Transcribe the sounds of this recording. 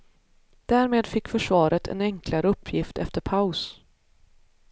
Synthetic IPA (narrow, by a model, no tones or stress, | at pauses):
d̪̥æːɾmeːd̪fɪkːfœʂvɑːɾət̪ʰɛ̰nɛŋklaɾəɵpʰːjɪft̪ɛft̪əɾpʰaʊs